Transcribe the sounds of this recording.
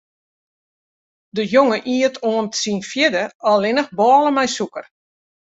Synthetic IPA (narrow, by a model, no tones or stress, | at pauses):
dəjoŋəʔiətʰoəntəsinfjɪdəɔlˠɪnəxbɔːlˠəmɛjsukər